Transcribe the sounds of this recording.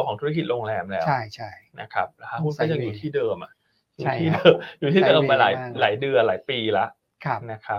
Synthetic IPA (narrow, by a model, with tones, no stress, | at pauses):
kɔː˨˩˦t̪ʰu˦˥a˥ki˨˩t̪̚ɾlo˧ŋlɛː˧mlɛː˦t͡ɕʰa˥˩jt͡ɕʰa˥˩jna˦˥kʰa˦˥p̚la˦˩kʰa˦˥hu˥˩npa˧˩ja˧ŋjuː˨˩t̪ʰiː˥˩dɤː˧mʔa˨˩ʔ | juː˨˥t̪ʰiː˥˩dɤː˧mjuː˨˩t̪ʰiː˥˩dɤː˧mːa˧la̰ː˩˦jlaː˩˦jdɯ˧ɐlaː˩˦jpiː˧la˦˥ʔʰ | na˦˥kʰa˦˥p̚